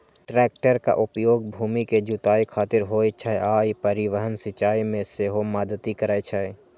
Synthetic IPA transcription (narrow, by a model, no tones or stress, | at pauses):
ʈɾɛːk̚ʈəɾka̰ʔʊpjoːɡbʱuːmiked͡ʒʊt̪aːikʰaːt̪ɪɾɦoːet͡ʃʰaeaːipəɾɪʋəɦənsɪt͡ʃaːimẽseːɦomad̪ət̪ikəɾaːjt͡ʃʰaːe